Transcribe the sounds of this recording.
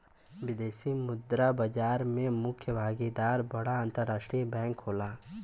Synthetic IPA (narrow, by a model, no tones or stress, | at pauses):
wɪd̪eːsimʊd̪ɾabəd͡ʒaːɾmẽmʊkʰjəbʱaːɡed̪aːɾbɐɽaə̃nt̪əɾːaːʃʈɾibɛ̃ːŋkɦoːlaː